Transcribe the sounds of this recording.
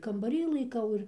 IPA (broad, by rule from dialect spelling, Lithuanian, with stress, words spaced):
kɐmbɐˈrʲiː lˠɐɪˈkɐʊ ɪr